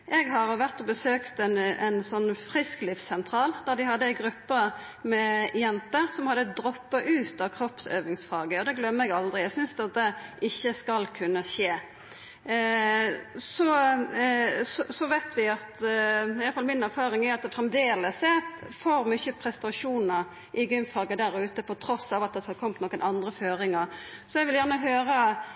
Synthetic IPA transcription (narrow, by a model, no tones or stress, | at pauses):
ʔɛɡɦɑʁʋæʁt̪ɔbəsøːkt̪ɛnɛnsɔnːfʁɪsklɪfsɛnt̪ʰɾɑːld̪̥æʁd̪ɪhɑd̪ːəɛɡɾʉpːə | mɛjɛnt̪əɾsɔmhɑd̪ːəd̪ɾɔpːɑʔʉːt̪ɑʋkʰɾɔpsø̰ːʋɪŋsfɑːɡəɔd̪ɛɡlœmːəɛɡɑld̪ʁɪæɡsʏnsd̪ɑt̪̚d̪ɛʔɪçːəskɑlkʰʉnːəɕeː | sɔ | sɔsɔʋæɪt̪ʰʋæɪɑt̪ɪjɑləfɑlmɪnæʁfɑːɾɪŋæɑt̪̚d̪ɛfɾɛmd̪eːləsɛfoːɾmʏçəpʰɾɛst̪ɑʂuːnəʁ | ʔɪɡʏmfɑːɡəd̪æɾʉːt̪əpʰɔt̪ʰɾɔsɑʋɑt̪̚d̪ɛhɑd̪kʰɔmt̪noːkənʔɑnd̪ɾəføːɾɪŋəʁsɔɛɡʋɪljæʁnəɦøːɾə